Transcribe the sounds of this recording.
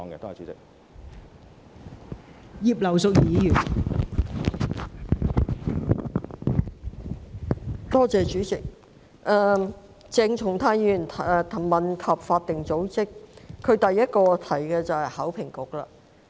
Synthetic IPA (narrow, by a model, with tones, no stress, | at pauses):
ŋɡɛ̰˧t̪oː˥ɛ˨t͡ʃyː˨˥t͡sɪ˨k̚ | jiː˨p̚lɐ˨˩wsʊ˨k̚jiː˨˧˥jyː˨˩n | t̪ɔː˥t͡sɛː˨t͡ʃyː˨˥t͡sɪ˨k̚ | ʔɛː˨˧ | t͡sɛː˧ŋt͡ʃʰʊ˨˩ŋt̪ʰaː˧jy˨˩nt̪ʰːt̪ʰmɐ˨nkʰɐ˨p̚faː˧t̚t̪ɪ˨˩ŋt͡so˨˥wt͡sɪ˥kʰɵ˨˧ɥt̪ɐ˨jːɐ˥t̚kɔː˧t̪ʰɐ˨˩jkɛː˧t͡sɐ˨whɐ˨jhɐ˨˥wpʰɪ˨˩ŋkʊ˨k̚la̰ː˧